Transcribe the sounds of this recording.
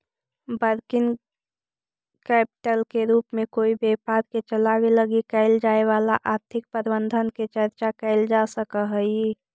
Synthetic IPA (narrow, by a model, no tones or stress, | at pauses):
bəɾkɪn | kɛːpɪ̥ʈəlkeɾuːpmẽkoːibeːpaɾket͡ʃəlaweləɡikəɪld͡ʒaːeʋaːla̰ʔaːɾt̪ʰɪk̚pəɾbənd̪ʱənket͡ʃəɾt͡ʃakɛɪld͡ʒasəkəɦəi